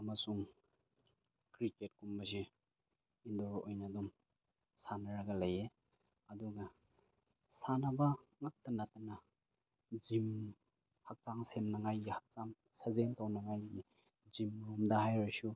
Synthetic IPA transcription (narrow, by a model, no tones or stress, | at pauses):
ɐmasuŋ | kɾiket̚kumbɐsi | indoɾʔojnadum | sanaɾaɡɐlɐje | ɐduɡɐ | sanabaŋak̚tɐnatana | zim | hak̚t͡ʃaŋsemnaŋajɡihak̚t͡ʃaŋ | sazentawnaŋajɡi | zimɾumdahajɾasu